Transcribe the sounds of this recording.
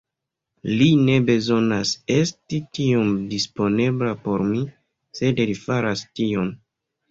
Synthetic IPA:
line̞be̞zo̞nase̞stitio̞mdispo̞ne̞blapo̞ɾmi | se̞dlifaɾastio̞m

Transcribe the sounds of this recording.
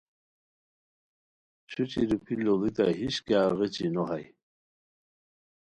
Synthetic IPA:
ɕut͡ɕiɾupʰilolit̪aɦiɕkeaɣet͡ɕinoɦaj

